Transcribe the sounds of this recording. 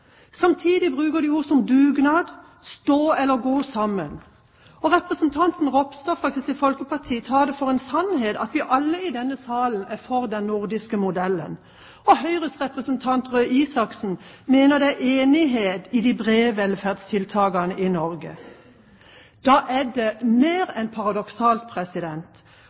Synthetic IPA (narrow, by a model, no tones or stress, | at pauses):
sɑmt̪ʰiːd̪ɪbʁʉːkəʁɖ̪ɪhʊsɔmd̪ʉːɡnɑːd̪ | st̪oːɛlːəɾɡoːsɑmən | ɔʁɛpʁəsənt̪ʰɑnt̪n̩ʁɔpst̪ɔfɾɑkʰɪst̪ɪfɔlkəpʰɑʁt̪ʰiːt̪ʰɑːd̪ɛfɔʁeːnsɑnɦeːt̪ɑt̪ʋɪʔɑlːəɪd̪ɛnːəsɑːlən̩æfɔʁd̪ɛnnʊʁd̪ɪskəmʊd̪ɛlːə̰n | ɔhœʏʁəsʁɛpʁəsənt̪ʰɑnt̪ʁøːʔiːsɑksn̩meːnəd̪ɛæʔeːnɪɦeːt̪ɪd̪ibʁeːʋɛlfæʁd̪st̪ʰɪlt̪ʰɑːɡɑnəʔɪnɔɾɡə̰ | d̪̥ɑːʔæd̪ɛmeːɾɛnpʰɑʁɑd̪ɔksɑːlt̪̚pʰʁɛsɪd̪ɛnt̪